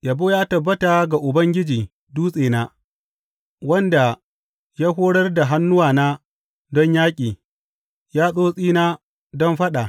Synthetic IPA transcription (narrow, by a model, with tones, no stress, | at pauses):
ja˨boː˦jaː˦tɐ˨bːɐ˦ta˨ɡa˨ʔʊ˨bɐ˦ŋɡʲɪ˦d͡ʒiː˨ | duː˦sʼeː˨naː˦ | wɐ˦nda˨ | jaː˦ɦoː˦ɽɐ˦rda˨ɦa˦nːʊ˦waː˨na˦ | dɔ˦ɲjaː˦kʲʼiː˨ | jaː˦sʼoː˦sʼiː˦naː˦ | dɔ˦mɸɐ˦ɗa˨